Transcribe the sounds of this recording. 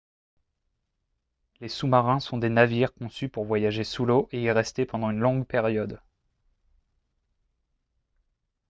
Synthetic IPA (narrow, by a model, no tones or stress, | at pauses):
lesumaʁɛ̃sɔ̃d̪enaviʁkɔ̃sypuʁvwajaʒesuloʔeiʁɛst̪epɑ̃d̪ɑ̃ynlɔ̃ɡpɛʁjɔd̪